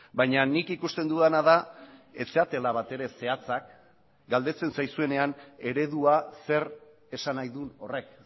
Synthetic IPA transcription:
bajɲanikikust̪e̞nd̪uðanaðae̞t͡seat̪e̞laβat̪e̞ɾe̞se̞at͡sak | ɡald̪e̞t͡se̞nsajsue̞ne̞ane̞ɾe̞ðuase̞r | e̞sanajðuno̞re̞k

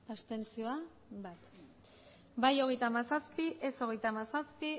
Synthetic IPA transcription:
ast̪e̞nt͡sio̞a | bat̪ | bajo̞ɣ̞e̞jt̪amasaspiʔeso̞ɣ̞e̞jt̪amasaspi

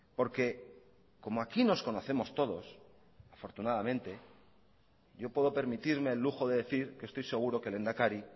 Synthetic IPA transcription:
po̞ɾke̞ | ko̞moakino̞sko̞no̞θe̞mo̞st̪o̞ðo̞s | afo̞ɾt̪unaðamẽ̞nt̪e̞ | ʝo̞pwe̞ðo̞pe̞ɾmit̪iɾme̞ːlːuxo̞ðe̞ðe̞θiɾkest̪o̞jseɣ̞uɾo̞kelend̪akaɾi

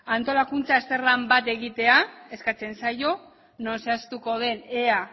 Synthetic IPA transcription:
ant̪o̞lakunt͡sase̞rambat̪e̞ɣit̪e̞ae̞skat͡se̞nsajo̞ | no̞nse̞ast̪uko̞ð̞e̞ne̞a

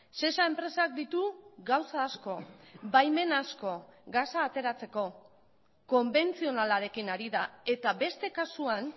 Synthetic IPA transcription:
se̞sae̞mpɾe̞sak̚d̪it̪uɡawsaːsko̞bajme̞nasko̞ɡasaːt̪e̞ɾat͡se̞ko̞ | ko̞mbe̞nt͡sio̞nalaɾe̞kinaɾiðae̞t̪aβe̞st̪e̞kasuan

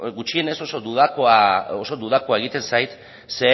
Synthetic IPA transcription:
ɡut͡ʃie̞ne̞so̞so̞d̪uðakoaoso̞d̪uðako̞ae̞ɣ̞it̪e̞nsajt̪ | se

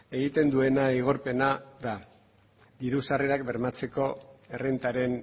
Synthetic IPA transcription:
e̞ɣ̞it̪e̞nd̪ue̞naiɣ̞o̞ɾpe̞naða | d̪iɾusareɾak̚be̞ɾmat͡se̞ko̞e̞rent̪aɾe̞n

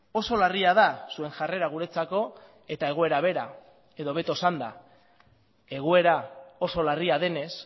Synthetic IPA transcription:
o̞so̞lariað̞asue̞ŋʝare̞ɾaɣ̞uɾe̞t͡sako̞ | e̞t̪ae̞ɣoe̞ɾaβ̞e̞ɾa | e̞ðo̞βe̞t̪osand̪a̰ | e̞ɣoe̞ɾao̞so̞lariaðe̞ne̞s

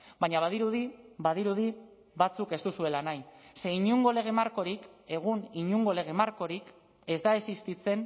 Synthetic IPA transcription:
baɲaβ̞aðiɾuðiβaðiɾuði | βat͡suke̞st̪usue̞lanajse̞iɲuŋɡo̞le̞ɣ̞e̞maɾko̞ɾike̞ɣ̞uniɲuŋɡo̞le̞ɣ̞e̞maɾko̞ɾik | e̞zd̪ae̞sist̪it͡se̞n

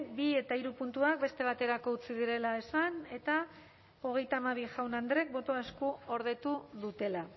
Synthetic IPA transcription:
bie̞t̪aiɾupunt̪uak̚be̞st̪e̞β̞at̪e̞ɾako̞ut͡siðiɾe̞lae̞sane̞t̪a | o̞ɣ̞e̞jt̪aːmaβiʝawnand̪ɾe̞k̚bo̞t̪o̞askuo̞ɾð̞e̞t̪uðut̪e̞la

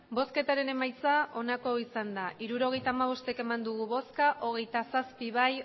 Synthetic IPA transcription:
bo̞ske̞t̪aɾe̞ne̞majt͡saʔo̞nako̞isand̪aʔiɾuɾo̞ɣ̞e̞jt̪aːmaβ̞o̞st̪eke̞mand̪uɣuβo̞skaʔo̞ɣ̞e̞jt̪asaspiβaj

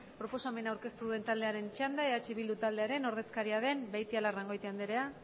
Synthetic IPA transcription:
pɾo̞po̞same̞nawɾke̞st̪uðue̞nt̪ald̪eaɾe̞nt͡ʃand̪aeðat͡ʃeβild̪ut̪ald̪e̞aɾe̞no̞ɾð̞e̞skaɾiað̞e̞mbajt̪ialaraŋɡo̞jt̪eand̪eɾe̞a

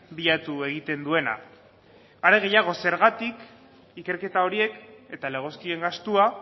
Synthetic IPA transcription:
biʎat̪ue̞ɣ̞it̪e̞nd̪ue̞na̰ | aɾe̞ɣ̞e̞jaɣ̞o̞se̞ɾɣat̪ik | ike̞ɾke̞t̪ao̞ɾie̞ke̞t̪ale̞ɣ̞o̞skie̞ŋɡast̪ua

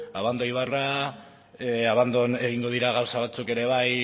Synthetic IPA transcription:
aβand̪ojβara | aβand̪o̞ne̞ɣ̞iŋɡo̞ð̞iɾaɣ̞awsaβat͡suke̞ɾe̞βaj

